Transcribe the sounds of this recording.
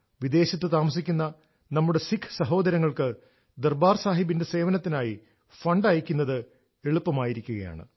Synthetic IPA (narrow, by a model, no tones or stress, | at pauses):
ʋid̪e̞ːɕɐt̪ːɨt̪̬aːmɐsikʲːunːɐ | nɐmːuɽe̞sikʰːsɐɦo̞ːd̪ɐɾɐŋːɐɭkɨ | d̪erbaːrsaːɦibinde̞se̞ːʋɐnɐt̪ːinaːji | fɐɳɖaːjikʲːunːɐðɨ | e̞ɭupːɐmaːjiɾikʲːuɣɐja̰ːɳɨ̰